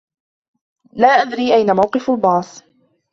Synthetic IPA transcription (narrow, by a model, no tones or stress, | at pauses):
laːʔad̪ɾiːʔajnamawqɨfalbɑːsˤ